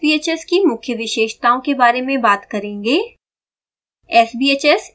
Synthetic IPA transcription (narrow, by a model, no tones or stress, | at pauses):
biːeːt͡ʃɛskimʊkʰjəʋɪʃeːʃt̪aːõkebaːɾemẽbaːt̪kɐɾẽːŋɡeː | ɛːsbiːeːt͡ʃɛs